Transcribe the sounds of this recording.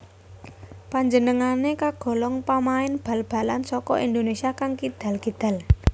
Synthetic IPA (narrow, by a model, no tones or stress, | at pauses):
paɲd͡ʒənəŋanekaɡ̥ɔ̤lɔŋpamaɪnb̥ä̤lb̥a̤lansɔkɔ̰ʔind̪onesiakaŋkid̪̥ä̤lkid̪̥ä̤l